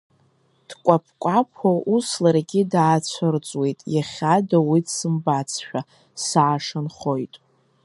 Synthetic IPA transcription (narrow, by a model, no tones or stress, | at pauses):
d̥kʷʼapʰkʷʼapʰaʔuslaɾɡʲɪdaːt͡ɕʷʰɨrt͡sʼwe̞jtʼjaχʲadawidsɨmbat͡sʰʃᶣa | saːʂanχojtʼ